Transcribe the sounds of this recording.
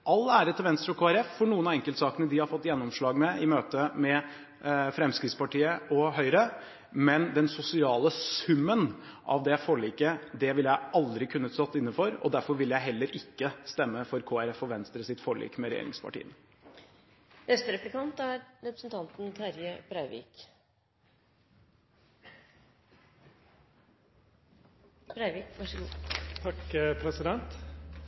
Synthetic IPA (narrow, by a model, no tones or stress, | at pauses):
ʔɑlːæːɾət̪ʰɪlʋɛnst̪ɾəɔkʰoːæɾɛffɔɳuːənɑɛŋkəlt̪sɑːkənəd̪ɪhɑɾfɔt̪ːjɛnːɔmʂɭɑːɡmɛɪmøːt̪əmɛ | fɾɛmskɾɪːt̪spʰɑʈiːəʔɔɦœʏɾə | mɛnd̪ɛnsʊsɪɑːləsʉmːənʔɑ̰ʋd̪ɛfoɭiːkəd̪ɛʋɪljæɪɑld̪ɾɪkʰʉnːəsɔt̪ːɪnːəfɔɾɔ̰d̪æɾfɔɾʋɪljæɪɦɛlːəɾɪkːəst̪ɛmːəfɔɾkʰoːæɾɛfɔʋɛnst̪ɾəsɪt̪fɔːɭḭːkmɛɾɛjḛːɾɪ̰ŋspʰɑ̰ʈḭːən | nɛst̪əɾɛplɪkʰɑnt̪æɾɾɛpɾəsn̩t̪ʰɑnt̪n̩t̪ʰæɾjəbɾæɪʋḭːk | pʰɾæɪʋikʋɑʂəɡuːt̪ʰɑkpʰɾɛsɪd̪ɛnt̪